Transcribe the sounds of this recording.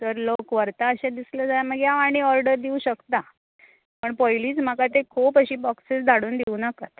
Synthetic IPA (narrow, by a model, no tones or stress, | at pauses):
təɾlokʋəɾt̪aəɕãd̪isləd͡zajaməɡjaʋaɽ̃iɔɾɖəɾd̪iuɕəkt̪a | pəɳpɔjliːt͡sm̤akat̪ekʰuːpəɕiːbɔksisd̪ʱaɽuːnd̪eunəkat̪